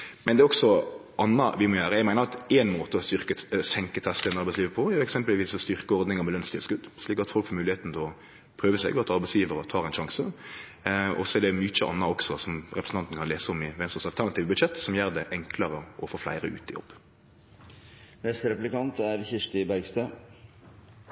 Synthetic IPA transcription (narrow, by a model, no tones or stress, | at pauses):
mɛnd̪ɛːɔksɔʔɑnːɑʋɪmɔjøːɾəjæɡmæɪnəɾɑt̪ɛnmoːt̪əɔʏɾkəsɛŋkət̪ʰɛst̪əənɑɾbæɪsliːʋəɾpʰɔɛɛksɛmpəlʋiːsɔst̪ʏʁkəɔɾd̪nɪŋəɾmɛlœnst̪ɪəskʉd̪ʂliːkɑt̪fɔlkfɔːɾmʉːlɪheːt̪n̩t̪ʰɛlɔ | pʰɾøːʋəsɛ̰ɡɑt̪ɑɾbæɪsjiːʋəɾɔt̪ʰɑːɾɛɪnʃɑŋsə | ɔ̰sɔɛɖ̪ɛmʏt͡ʃːəʔɑ̰nːɑɔksɔsɔmɾɛpɾsn̩ɑnt̪n̩kʰɑnleːsəɔmɪʋɛnsɔsɑlt̪ʰæʁnɑt̪iːʋbʉd̪ʃɛt̪ːsɔmjøːɾd̪ɛʔɛŋkʰləɾəʔɔfoːflæ̰ɪɾəʉ̰ːt̪ɪjɔ̰bː | nɛst̪əɾɛplɪkɑnt̪æɾçɪʂʈɪbæɾɡst̪øː